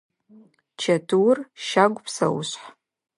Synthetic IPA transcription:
t͡ʃʰɐtʰuwrʃaɡʷpʰsɐ̰wʊ̰ɕħ

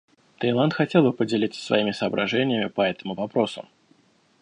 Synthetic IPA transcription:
t̪ɐjlˠant̪xɐtʲelˠbɨpədʲɪlʲit̪sə̥svɐ̰imʲɪsəːbɾɐʐɛnʲɪjəmʲɪpɐɛt̪əmʊvɐpɾo̞sʊ̰

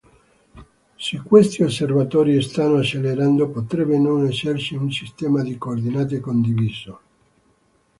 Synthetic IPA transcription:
sekːwest̪iosːervat̪ɔːɾiest̪anːoat͡ʃːeleɾand̪opot̪ɾɛbenonɛsersiunsist̪ɛːmad̪ikoːrd̪inaːt̪̬ekond̪iviːzo

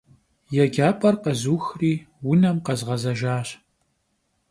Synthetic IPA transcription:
jɛɡʲaːpʼɐrqɐzuːxriː | wʊnɐmqɐzʁɐzɐʒaːɕ

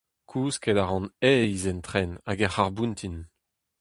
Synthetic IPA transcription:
kʰuːskɛdaʁɑ̃nɛizɛnt̪χɛnaɡɛχaʁbunt̪ʰin

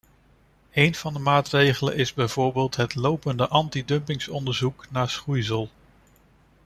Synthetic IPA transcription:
ejnv̥ɑndəmaːtrejχələ̰nɪzbɛjv̥oːɹbeːlˠtɦətlowpəndəʔɑntidɵmpɪŋsɔndəɹzuknaːɹsχujzəlˠ

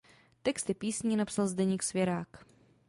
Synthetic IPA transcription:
t̪ɛkst̪ɪpiːsɲinapsalzd̪ɛɲiːksvʲjɛɾaːk

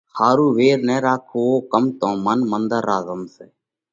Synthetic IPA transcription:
hʰaːɾuːʋeːɾnɛːɾaːkʰoːoːkəmt̪õːmənmənd̪əɾːaːzəmseː

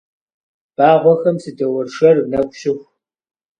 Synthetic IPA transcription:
b̥aːʁʷɔxɐmsɨdɐwɐrʂɐrnɐkʷʼɕɪxʷ

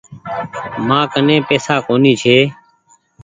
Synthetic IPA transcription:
mãːkənẽːpeːsaːkoːniːt͡ʃʰeː

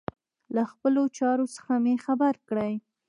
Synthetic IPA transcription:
laxpəlot͡ʃɑɾosə̥xamexabaɾkɽəj

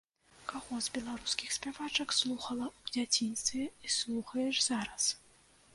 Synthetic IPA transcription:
kaɣɔzbʲɛlˠaɾuskʲixsʲpʲavat͡ʂɐkslˠuxɐlˠɐud͡zʲat͡sʲinst̪vʲɛislˠuxɐjɛʐzaɾɐs

